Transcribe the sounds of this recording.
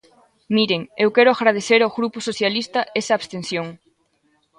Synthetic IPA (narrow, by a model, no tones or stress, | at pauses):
miɾeŋewkɛɾʊaɣɾað̞eθeɾawɣɾupʊsoθjalist̪ɐesɐːβst̪ensjoŋ